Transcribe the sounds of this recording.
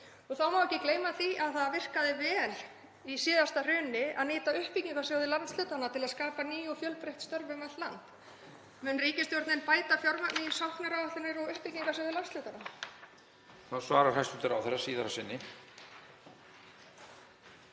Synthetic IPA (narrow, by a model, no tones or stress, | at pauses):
ɔɣθawmawɛcɪkleːjmaθiʔaðθaðvɪr̥kaðɪvɛːl | isiːðast̪ar̥ʏːnɪaðniːt̪aʏhpiciŋkasjoːwðɪlant̪st̪lʏːt̪anat̪ʰɪlaðskaːpaniːjʊfjœlpɾeht̪st̪œɾvɪmat̪lant̪ | mɛnriːcɪst̪jɔɾt̪nɪnpaːjt̪afjɔɾmat̪nɪsawhknaɾaaht̪ɪnːɪɾɔɣʏhpiciŋkasjowðɪlanst̪lʏːt̪anaa | θawsvaːɾaɾ̥hajst̪ʏt̪ɪɾa̰wθɛrːasiːðaɾasɪnːɪ